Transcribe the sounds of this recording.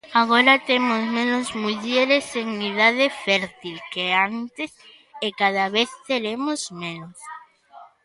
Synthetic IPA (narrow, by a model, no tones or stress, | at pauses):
aɣ̞oɾat̪emozmẽnozmuʎeɾeseŋiðað̞efɛɾt̪ilkeant̪es | ekað̞aβeθt̪eɾemozmẽnos